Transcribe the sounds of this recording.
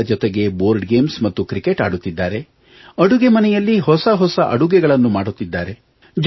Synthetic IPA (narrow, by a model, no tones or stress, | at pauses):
ɐd͡ʒɔt̪eɡe̞boːɾɖɡe̞ːmsmɐt̪ːukɾike̞ʈaːɽut̪ːid̪ːaːɾe̞ | ɐɽuɡemɐnɛjɐlːiɦɔsɐɦɔsɐʔɐ̰ɽuɡɛɡɐɭɐnːumaːɽut̪ːid̪ːaːɾe̞ | d͡ʒ